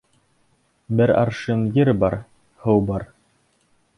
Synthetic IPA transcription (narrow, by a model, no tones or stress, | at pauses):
bɘɾɑ̰ɾʃɤmjɘɾbɑɾ | hɤwbɑɾ